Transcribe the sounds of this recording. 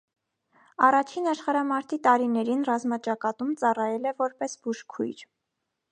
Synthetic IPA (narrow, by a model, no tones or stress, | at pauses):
ɑrɑt͡ʃʰinɑʃχɑɾɑmɑɾt̪ʰit̪ɑɾinɛɾinrɑzmɑt͡ʃɑkɑt̪umt͡sɑrɑjɛlɛvɔɾpɛsbuʃkʰṵjɾ